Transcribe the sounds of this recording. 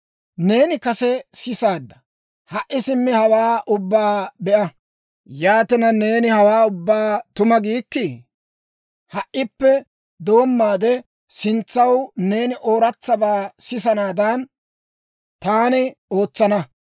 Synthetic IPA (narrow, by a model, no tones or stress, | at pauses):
ne̞ːnɪkɐsɛsɪsaːd̪ːɐ̥ | hɐʔːɪsɪmːɪhɐwaːʔʊbːaːbɛʔɐ | jaːt̪ɪnɐne̞ːnɪhɐwaːʊbːaːt̪ʊmɐɡiːkːɪ | hɐʔːɪpːɛ | d̪o̞ːmːaːd̪ɛ | sɪnt͡sːɐwne̞ːnɪʔoːɾɐt͡sːɐbaːsɪsɐnaːd̪ɐn | t̪aːnɪoːt͡sːɐnɐ